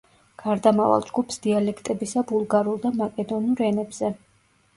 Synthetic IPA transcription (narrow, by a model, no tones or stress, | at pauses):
ɡ̥aɾd̪amava̰lˠd͡ʒɡupʰsd̪̥ialɛkʰt̪ʼɛbisabulˠɡaɾulˠd̪amakʼɛd̪ɔnuɾɛnɛbz̥ɛ